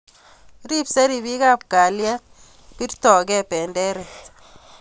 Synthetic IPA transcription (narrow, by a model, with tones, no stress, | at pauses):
ɾi˦psɛ˦ɾi˨βi˦ka˦p̚ka˨lja˦ | ki˦rtɔ˨kɛ˦pɛ˨ndɛ˦ɾɛ˨